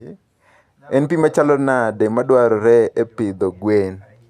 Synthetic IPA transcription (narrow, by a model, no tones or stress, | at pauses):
ɛnpimat͡ʃalɔnadɛmadwaɾɔɾɛepɪd̪ɔɡwen